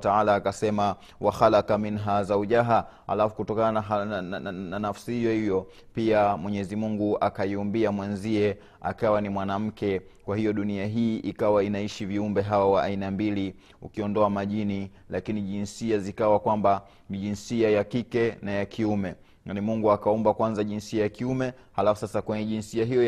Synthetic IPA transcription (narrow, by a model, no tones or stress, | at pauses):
taalaːkasɛma | waxalakaminɦazauʄaɦa | ha̰lafu̥kutɔkanana | nanafsihijɔhivjɔ | piamwɛɲɛzimuŋɡuakaiumbiamwɛnziɛ | a̰kawanimwanam̩kɛkwahijɔɗuniaɦiːʔikawainaiʃiviumbɛɦawawaʔːinambili | ṵkiɔndɔamaʄini | lakiniʄinsiazikawakwamba | niʄinsiajakikɛnajakʰiumɛ | nimuŋɡuakaumbakwanzaʄinsiajakiumɛ | halafusasakwɛɲɛʄinsiaɦijɔ